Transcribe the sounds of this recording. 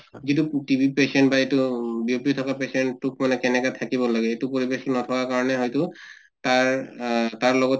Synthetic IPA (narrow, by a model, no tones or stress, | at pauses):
zitutibʱipesɛntbaetubiopitʰɔkapesɛnukmanɛkɛnɛkatʰakiβɔlaɡɛetupoɹibexnɔtʰɔkakaɹɔnɛɦɔjtʊ | taɹtaɹlɔɡɔt